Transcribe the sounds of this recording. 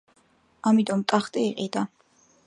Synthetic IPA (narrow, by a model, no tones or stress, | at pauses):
amit̪ʼɔmt̪ʼaχt̪ʼiːqʼid̪a